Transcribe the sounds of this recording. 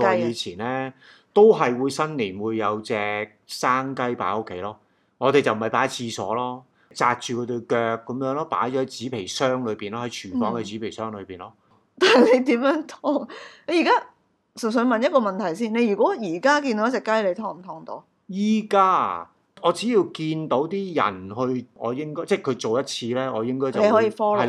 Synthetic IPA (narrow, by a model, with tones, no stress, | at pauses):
ɔ˨˧jiː˨˧t͡sʰiː˨˩nlɛː˥ | t̪o˥wɦɐ˨jwuː˨˧jsɐ˥nliː˨˩nwuː˨˧jːɐ˨˧wt͡sɛː˨˧k̚saː˥ŋkɐ˥jpa̰ː˨˥o˥kʰːe˨˧˥jlɔː˥ | ŋɔː˨˧t̪e˨jt͡sɐ˨wm̩˨ɐ˨˩jpaː˨˥jt͡sʰiː˧sɔ̰ː˨˥lɔː˥ | t͡saː˧k̚t͡ʃyː˨kʰɔ˨˧t̪ɵ˧ɥkœː˧k̚ːɐ˨˧˥mjœː˨˥ŋlɔː˥pa̰ː˨˥jt͡ʃɔː˧˥ɐ˨˦jt͡siː˨˥pʰe˨˩jsœː˥ŋlɵ˨˧piː˨˩nlɔː˥hɐ˨˦jt͡ʃʰyː˨˩fɔː˨˥ŋkɛ˧t͡si˨˥pʰe˨˩jsœː˥ŋlɵ˨˧ɥpiː˨nlɔː˥ | t̪aː˨le˨˧jt̪iː˨˥mjœː˨˥ŋt̪ʰɔː˧˥ŋne˧˥jiː˨˩kaː˥ | sə˨˩ns̬ɵ˨˧mɐ˨njɐ˥kɔː˧mɐ˨nt̪ʰɐ˨˩jsiː˥˩nne˧jyː˨˩kʷwɔː˨˥jiː˨˩kaː˥ki˧nt̪o˧˦jɐ˥t͡sɛ˨˩kːaː˥˧le˨˧jt̪ʰɔː˧˩ŋm̩˨˩t̪ʰɔː˨˧ŋt̪o˨˧˥ | jiː˥kaː˥ | ɔː˨˧t͡siː˨˥jiː˧wkiː˧nt̪o˨˥wt̪iː˥jɐ̰˨˩nhɵ˧ɥɔ̰ː˨˧jɪ˥ŋkɔː˥jt͡sɛː˥˩kʰɵ˨˧ɥt͡so˨wjɐ˥t̚t͡sʰiː˧lɛː˥ŋɔː˨˧jɪ˥ŋkɔː˥jt͡sɐ˨ne˧jhɔ˨˥jiː˧fɔː˥˨˦